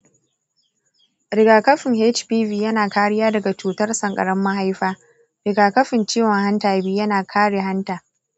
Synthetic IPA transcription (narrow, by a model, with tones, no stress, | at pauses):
ɾɪ˨ɡaː˨kɐ˦ɸɪ˨ŋhe˦t͡ʃpiː˦viː˨jɐ˦naː˨kaː˦ɽɪ˦jaː˦dɐ˨ɡa˨t͡ʃuː˨tɐ˦rsɐ˨ŋkʼɐ̰˨ɽɐ˦mːa˦ɦa˦jɸaː˦ | ɾɪ˨ɡaː˨kɐ˦ɸɪ˨nt͡ʃiː˦wɐ˨ŋɦa˦ntaː˨biː˦jɐ˦naː˨kʰaː˦ɽe˨ɦa˦ntaː˨